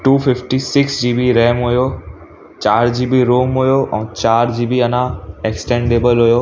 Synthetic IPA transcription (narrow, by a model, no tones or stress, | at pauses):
ʈuːfɪfʈisɪksd͡ʑiːbiɾɛːmɦujo | t͡ɕaːɾd͡ʑiːbiɾoːmɦujoʔɛ̃ːt͡ɕaːɾd͡ʑiːbiɐnãeksʈẽːɳɖeːbəlɦujoː